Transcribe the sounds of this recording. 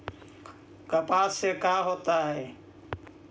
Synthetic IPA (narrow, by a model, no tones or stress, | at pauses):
kəpaːsekaɦoːt̪aɦɛː